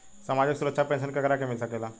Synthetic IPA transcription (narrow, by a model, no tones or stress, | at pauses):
səmad͡ʑəksuɾətːʂʰapẽns̬ənkəkɾakemisakela